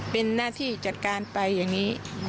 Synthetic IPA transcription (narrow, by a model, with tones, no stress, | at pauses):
pe˧nːaː˥˩t̪ʰiː˥˩t͡ɕa˨˩t̪̚kaː˧npa˧jːaː˨˩ŋniː˦˥